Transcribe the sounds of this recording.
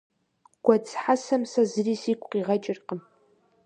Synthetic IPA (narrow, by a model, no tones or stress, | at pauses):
ɡ̥ʷat͡sʰʼħasamsazrisikʷʼqʼiʁat͡ʃʼɪrqʼəm